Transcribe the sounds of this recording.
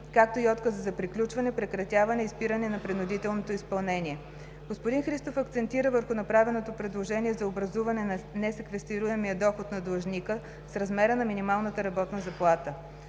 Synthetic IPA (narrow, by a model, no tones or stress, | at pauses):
kak̚t̪oiɔt̪kəzzɐpɾiklʲut͡ʃvɐnɛpɾɛkɾɐt̪ʲjavɐnɛispiɾənɛnɐpɾɛnʊd̪it̪ɛlˠnot̪oispɐlˠnɛniɛ | ɡ̥ospʊd̪inxɾist̪ofɐk̚t̪sɛnt̪iɾəvəɾxʊnɐpɾavɛnot̪opɾɛd̪lˠoʒɛniɛzɐobɾɐzuvɐnɛnɐnɛsɛkvɛst̪iɾuɛmiəd̪ɔxot̪nɐd̪lˠɐʒnikə | sɾɐzmɛɾənɐminimalˠnət̪əɾɐbɔt̪nəzɐplˠat̪ə